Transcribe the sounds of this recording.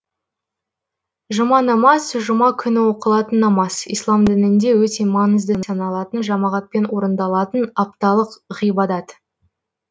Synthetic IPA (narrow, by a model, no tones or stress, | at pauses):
ʒʊmɑnɑmɑsʒʊmɑkʲʰʏnɪwo̞qəlˠɑt̪ənːɑmɑsḭjslˠɑmd̪ɪnɪnd̪e̞wɵt̪e̞mɑnəzd̪ənsɑnɑlˠɑt̪ənʒɑmɑʁɑt̪̚pe̞nwo̞ɾənd̪ɑlˠɑt̪ənɑp̚t̪ɑlˠəqʁijbɑd̪ɑt̪